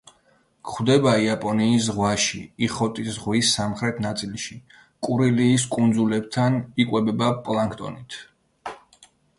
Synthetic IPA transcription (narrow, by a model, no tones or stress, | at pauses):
kχwd̪ɛbaiapʼɔniːs̬ʁwaʃiiχɔt̪ʼisʁwisːamχɾɛt̪ʰnat̪sʼilˠʃi | kʼuɾiliːs̬kʼund̪zulɛb̚t̪ʰanikʼwɛbɛbapʼlˠaŋkʰt̪ʼɔ̰nit̪ʰ